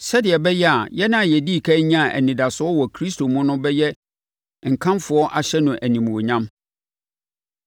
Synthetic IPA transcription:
sɛ˦dɪ˨ɛ˨bɛ˦jɛ˦a˨jɛ˦nã˦a˨jɛ˨diː˦˨kʰa˦ɲã˦˨ʔæ̰˨nĩ˨da˨sʊ˦ɔ˦wɔ˨kʰɾi˦sto˨mʊ̃˦nʊ̃˦bɛ˦jɛ˦ | ŋ̩˨kʰã˦mfʊ˨˦ɔ˦ʔa˨ɕɛ˦nʊ̃˨ʔæ˨nĩ˨m˨o˨ɲã˦m

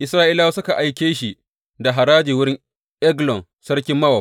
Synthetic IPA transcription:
ʔɪ˨sɾaː˦ʔiː˦laː˦wa˦sʊ˦ka˨ʔa˨jkʲeː˦ʃi˨ | da˨ɦa˨ɾaː˦d͡ʒiː˨wʊ˦ɾɪ˦ŋ | ʔɛ˦ɡlɔ˨n | sɐ˦ɾkʲɪ˦mːɐ˦wɐ˨

